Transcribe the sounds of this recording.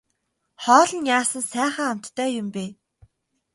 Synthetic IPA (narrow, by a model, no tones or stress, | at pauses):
χɔːɮə̆njaːsə̆nsæːχăːam̥t̪ʰːæːjʊmpeː